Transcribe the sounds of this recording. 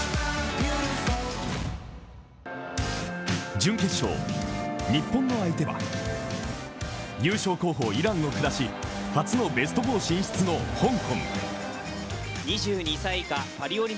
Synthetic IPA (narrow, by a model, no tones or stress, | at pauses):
d͡ʑɨ̃ŋke̞ɕo̞̰ː | ɲ̟ipːõ̞nːo̞ait̪e̞βa̰ | jɨːɕo̞ːko̞ːɦo̞ːiɾãŋo̞kɯ̟ɾaɕi | ɸat͡sɨno̞be̞sɨ̥t̪obo̞ːɕĩɰ̃ɕi̥t͡sɨno̞hõ̞ŋkõ̞ŋ | ɲiʑɨːɲ̟isaikapaɾʲioɾʲi